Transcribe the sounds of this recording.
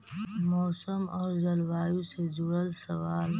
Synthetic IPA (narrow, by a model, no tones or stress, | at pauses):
mɔːsəmɔːɾzəlʋaːjũsed͡ʒʊɽəlsɐʋaːl